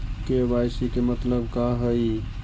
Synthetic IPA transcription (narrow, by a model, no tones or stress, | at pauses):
kebajsikemət̪ləbkaɦəj